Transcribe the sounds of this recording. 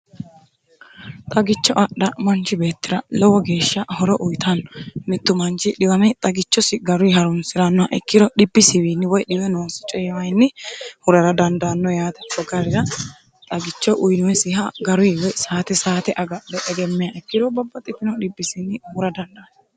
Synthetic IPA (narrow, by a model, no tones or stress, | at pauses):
t̪ʼɐɡɪt͡ʃːɔʔɐɗɐmɐnt͡ʃɪbe̞ːt̪ːɪɾɐlɔwɔɡe̞ːʃːɐhɔɾɔʔʊjt̪ʰɐnːɔnɪt̪ːʊmɐnt͡ʃɪɗɪwɐmɛt̪ʼɐɡɪt͡ʃːɔsɪɡɐɾʊjɦɐɾʊnsɪɾɐnːɔɐʔɛ̰kːɪd̪ɔɗɪbːɪsɪwinːɪwɔjɗɪwɛno̞ːsɪ̥t͡ʃʼɛjɛwɐjnːɪhʊɾɐɾɐd̪ɐnd̪ɐnːɔjaːt̪ɛkːɔɡɐɾɪɾɐ | t̪ʼɐɡɪt͡ʃːɔʔʊjnʊwɛsɪɦɐɡɐɾʊjwɔjsaːt̪ɛsaːt̪ɛʔɐɡɐdɛʔɛɡɛmːɛjaʔɛkːɪd̪ɔbɐbːɐt̪ʼːɪt̪ɪnɔɗɪbːɪsɪnːɪhʊɾɐd̪ɐnd̪ɐːnː